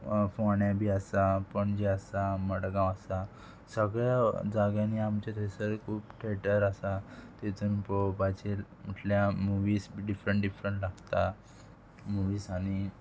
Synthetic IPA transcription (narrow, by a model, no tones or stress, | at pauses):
foɳjabʱiːəsapəɳd͡ʑeəsaməɽɡãwəsa | səɡɭjad͡zaɡjãniamt͡ɕat̪ʰesəɾkʰuːpʈʰeʈəɾəsat̪et͡s̪unpobad͡ʑel | m̤əʈljamuʋiːsɖifɾəɳʈɖifɾəɳʈlaɡt̪a | muʋiːsaɽ̃i